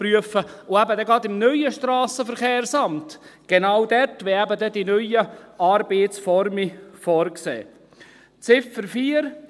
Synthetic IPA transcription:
pryəfəʊæbədɛɡɾɑdɪmnœʏjəʃtɾɑːsəfəɾχeːɾsɑmtɡ̥enawdɛɾtʋɛæbədɛdinœʏəɑːɾbeːtt͡sfɔɾmifɔːɾksḛː | t͡sɪfəɾfiːəɾ

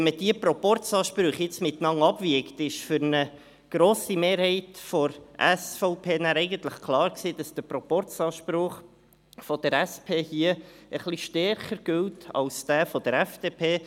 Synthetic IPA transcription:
ɛnməd̥iəpɾɔpɔrtt͡sɑːʃpɾʊχjɪt͡smɪt̪nɑŋɑb̥ʋiəktɪʃfʏɾnə | ɡ̥ɾoːsimeːɾhɛɪtfɔɾʔæsfɔʊpʰeːnæːɾɛɪɡənt̪ləχkʰlˠɑːɾksiːd̥ɑsd̥əpɾɔpɔrt͡sɑːʃpɾʊχ | fɔd̪̥əɾæspʰeːhiəəχliʃtɛrχəɾɡ̥ʏltʰɑ̰lsd̥̪æːfɔd̥əɾɛfd̥eːpʰeː

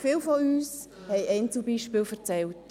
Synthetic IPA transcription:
fɪːlfɔyːs | hɛɪʔɛɪnt͡subiːʃpɪːlfɛʁt͡sɛlt

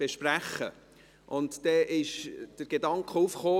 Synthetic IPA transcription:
eʃpræχːə̰ | ʔʊntd̥ɛʔɪʃd̥əɾɡ̥edɑŋkχəufχoː

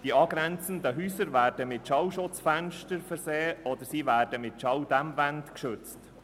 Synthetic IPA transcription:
d̥iɑːɡɾɛnt͡sənd̪əɦyːsəɾvæːrd̥əmɪtʃɑwʃʊt͡sfænʃtəɾfɛɾseːɔd̪əɾsiːvæːrd̥əmɪtʃɑwd̪æmvænt̪kʃɵt͡st

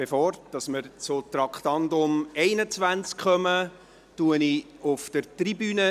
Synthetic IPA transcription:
b̥efɔːrd̥ɑsməɾt͡sʊt̪ɾɑkχtɑndʊmɛɪnət͡svænt͡skχœmə | tuənɪ | ʊfd̥əɾtribyːnə

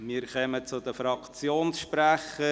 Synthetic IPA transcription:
miːɾkœmət͡sʊd̪əfɾɑkt͡sjoːnsʃpɾæχə

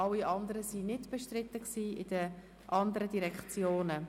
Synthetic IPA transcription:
ɑlːiʔɑnd̪əɾəsinɪdb̥eʃtrɪt̪ːəksiːɪd̥ə | ʔɑndəɾədiɾɛkt͡sjoːnə

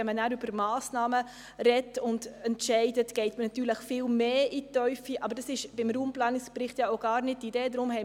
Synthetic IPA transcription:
ɛmənæːɾyb̥əɾmɑːsnɑːmə | ɾɛtʊndɛntʃɛɪdətɡ̥ɛɪtmənɑtyːɾləχfɪːlmeːitœʏfiʔɑbəɾd̥ɑsɪʃb̥ɪmɾuːmplɑːnɪkspɾɪχtjɑoɡ̥ɑːɾnɪt̚ːideːdɾʊmhɛɪ

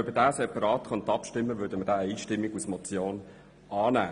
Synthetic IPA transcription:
œbədæːsɛpɑɾɑːt̪χɑnt̪ɑpʃtɪmːəʋøːdəmədæːiːʃtɪmːiɡusmɔt͡sjoːn | ɑːnæː

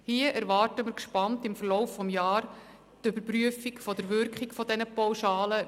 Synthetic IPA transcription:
hiəʔæɾʋɑːrtəmɪɾkʃpɑntɪmfəɾrlɔwfːɔmjɑːɾ | tʏbəɾpɾyəfikfɔdəɾʋʏɾkχikfɔdɛnəpawʃɑːlə

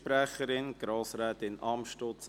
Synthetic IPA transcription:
pɾæχəɾɪnɡ̥ɾɑːsɾɛːt̪ɪnɑmʃtɔt͡s

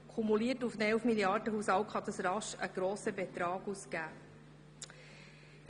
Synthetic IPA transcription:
kʰumuliːətufnɛlfmiljɑrdəɦushɑwkχɑd̪əsɾɑʃə̰ɡ̥ɾoːsəbɛt̪ɾɑːɡuskæː

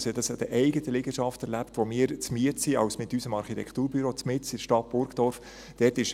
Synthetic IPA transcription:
sɛd̪ɑsɛdəʔɛɪɡət̪əlɪɡ̥əʃɑftɛɾlæpt̪ʋomiːɾt͡smiətsiɑwsmɪt̪ysəmɑɾχit̪ɛkχt̪uːɾbyɾoːt͡smɪt͡sid̥ʃtɑt̚b̥ʊɾɡd̥̪ɔɾf | d̥ɛːtɪʃ

